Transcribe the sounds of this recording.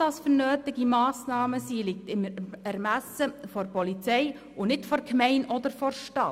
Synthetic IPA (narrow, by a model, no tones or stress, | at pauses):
d̥ɑsfəɾnøːtɪɡimɑːsnɑːməsiːlɪk̚tɪmɛɾmæsəfɔɾpɔlit͡sɛj | ʊnɪtfɔɾkmɛɪnʔɔd̪əɾfɔɾʃtɑ